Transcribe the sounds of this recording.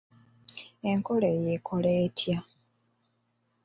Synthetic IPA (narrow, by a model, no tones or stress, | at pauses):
eŋkolejekʰoleːtʰja